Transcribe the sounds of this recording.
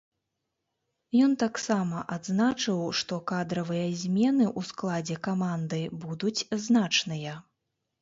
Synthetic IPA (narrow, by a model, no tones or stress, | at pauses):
jɔnt̪aksamɐʔad̪znat͡ʂɨwʂt̪ɔkad̪ɾɐvɨjɐzʲmʲɛnɨʔusklˠad͡zʲɛkamand̪ɨbud̪ut͡sʲznat͡ʂnɨjɐ